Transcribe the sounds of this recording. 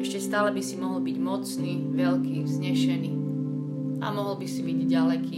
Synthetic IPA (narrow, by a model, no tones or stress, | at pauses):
ɛʃcɛst̪aːlɛbisimɔɦɔl̩biɟmɔt͡sniː | ʋɛlkiːzɲɛʃɛniː | ʔa̰mɔɦl̩bisibiɟɟalɛkʰiː